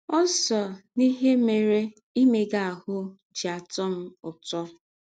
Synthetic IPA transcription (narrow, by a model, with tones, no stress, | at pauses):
ɔ˦sɔ˨ni˦ɦe˦me˨ɾe˦ | i˦me˨ɡa˨a˨hʊ˦ | d͡ʒi˨a˨tɔ˦m̩˦ʊ˨tɔ˦